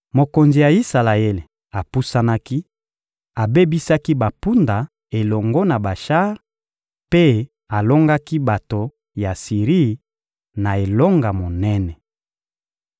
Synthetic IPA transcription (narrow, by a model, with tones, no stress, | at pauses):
mo˨ko˨nzi˨ja˨i˦sa˨la˨e˦le˨ | a˨pu˦sa˦na˦ki˦ | a˨be˦bi˦sa˦ki˦ba˨pu˦nda˨ | e˨lɔ˨ŋɡo˦na˨ba˨ʃa˦ʁ | pe˦ | a˨lo˦ŋɡa˦ki˦ba˨to˨ | ja˨si˨ʁi˦˨ | na˨e˨lo˦ŋɡa˨mo˨nɛ˦nɛ˨